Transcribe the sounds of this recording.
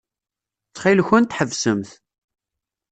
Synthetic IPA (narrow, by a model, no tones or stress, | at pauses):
t͡sːχilçʊnt̪ħəvsəmθ